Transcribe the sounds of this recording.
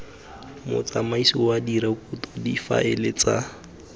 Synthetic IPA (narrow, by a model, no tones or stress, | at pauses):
mʊ̰t͡samaisiwadiɾakʼutɔdifa̰ʔɛlet͡sa